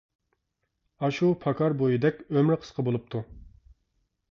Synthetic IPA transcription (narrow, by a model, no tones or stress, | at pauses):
ɑʃupʰɑkʰɑɾbojid̪ɛkʲømɾɪqʰə̥sqʰəbolˠup̚t̪ʰu